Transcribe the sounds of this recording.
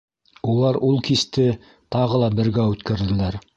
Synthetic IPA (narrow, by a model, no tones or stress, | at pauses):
ulˠɑɾulˠkist̪ɘ | t̪ɑʁɤlˠɑbɘ̆ɾɡæʉt̪kæɾd̪ɘ̆læɾ